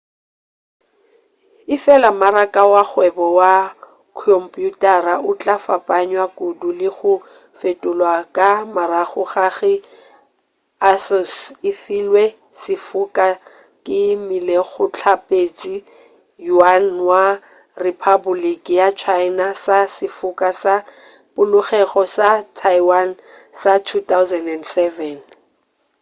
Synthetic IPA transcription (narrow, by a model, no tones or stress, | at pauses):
ɪfɛlamaɾakʼawak͡xwɛbɔwa | kʰɔmpʼjutʼaraʔʊt͡ɬʼafapʼaɲwakʼudulɪɣʊ | fetʼʊlwakʼamaɾaɣʊχaɣɪ | asɔsɪfilwɛ | sɪfʊkʼa | kʼɪmɪleɣʊt͡ɬʰapʼet͡ʃʼi | juanwa | ripʰabʊlikʼjat͡ʃʰaɪnasasɪfʊkʼasa | pʊlʊχɛχɔsatʰajwan | satʰutawzɛndɛndsɛvɛn